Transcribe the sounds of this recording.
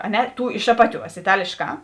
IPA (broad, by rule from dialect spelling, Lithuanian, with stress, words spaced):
ɐ ˈnʲɛ ˈtuː ɪʃ ˈɑːpɐˌtʲuɔs ɪˈtɑːlʲeːʃˌkɑː